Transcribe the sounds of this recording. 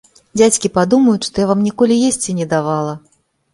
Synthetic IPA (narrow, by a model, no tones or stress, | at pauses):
d͡zʲat͡sʲkʲipad̪umɐjut͡s̪ʲʂt̪ɔjavamnʲikɔlʲijesʲt͡sʲinʲɛd̪avalˠɐ